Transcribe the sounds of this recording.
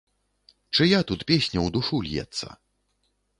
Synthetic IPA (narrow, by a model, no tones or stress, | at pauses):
t͡ʂɨjat̪ut̪pʲesʲnʲɐwd̪uʂulʲjɛ̰t̪sːɐ̰